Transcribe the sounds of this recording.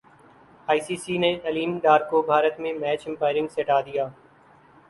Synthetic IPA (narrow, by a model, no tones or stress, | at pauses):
aːiːsiːsiːneːəliːmɖaːɾkoːbʱaːɾət̪mẽmɛːt͡ʃɪ̃mpaːɪɾɪ̃ŋɡseːʈaːd̪ɪjaː